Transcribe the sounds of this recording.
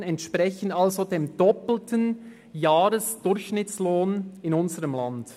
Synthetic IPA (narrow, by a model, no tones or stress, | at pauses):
nɛntʃpʁɛçən̩dalzodeːmd̥ɔpl̩tʰən | jaːɾəsd̥ʊɾçʃnɪt͡sloːnɪnʊnzəʁəmlɑnd̥